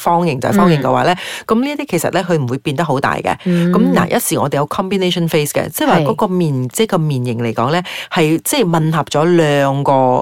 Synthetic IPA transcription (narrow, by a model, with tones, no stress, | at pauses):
fɔː˥ŋjɪ˨˩ŋt͡sɐ̰˨˩fɔː˥ŋjɪ˨ŋkɛ̰˧waː˨˧˦lɛː˥kɐ˨˦mliː˥t̪iː˥kʰe˨˩sɐ̰˨t̚lɛː˥kʰɵ˧ɥm̩˨˩uː˨˧jpiː˧nt̪ɐ˥k̚ɦo˨˥wt̪a̰ː˨jkɛ̰˧kɐ˨˦mna̰ː˨˩jʔɐ˥t̚siː˨˩ŋɔː˨˧t̪e˨jɐ˨˧wkʰɔː˥mbiː˨˧ne˥jʃɔ˥nfe˥skɛ̰˧t͡sɛ˥˩˨waː˨˩kɔː˨˥kɔː˧miː˨nt͡sɛ˥kɔː˧miː˨njɪ˨˩ŋle˨˩jkɔː˨˥ŋlɛː˥hɐ˨jt͡sɛ˥˩jmɐ˨nhɐ˨˩p̚t͡ʃɔː˨˥lœː˨˧ŋkɔː˧